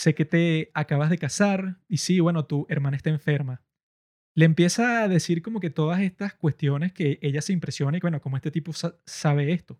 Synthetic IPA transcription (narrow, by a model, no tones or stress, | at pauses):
se̞ke̞t̪e̞akaβazðekasaɾisiβwe̞no̞t̪ue̞ɾmanaest̪aẽɱfe̞ɾma | leːmpje̞saːðe̞siɾko̞mo̞ke̞t̪o̞ðase̞st̪askwe̞st̪jo̞ne̞ske̞ʔe̞ʝase̞impɾe̞sjo̞naiwe̞no̞komoe̞st̪e̞t̪ipo̞sasaβ̞e̞e̞st̪o̞